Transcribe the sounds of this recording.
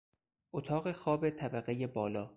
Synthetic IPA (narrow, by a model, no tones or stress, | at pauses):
ʔot̪ʰɒːɣe̞xɒːbet̪ʰæbæɣe̞jebɒːlɒː